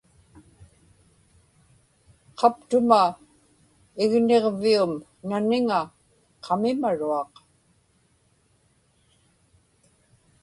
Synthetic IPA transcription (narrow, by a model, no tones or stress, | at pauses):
qʰɑpt̪ʊma | ɪɣne̞ʁviʊm | nanɪŋa | qʰɑmɪmaɻuɑq